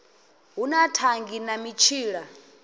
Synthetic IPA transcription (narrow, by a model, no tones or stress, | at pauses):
ɦunatʰaŋɡinamit͡ʃʰiːɺa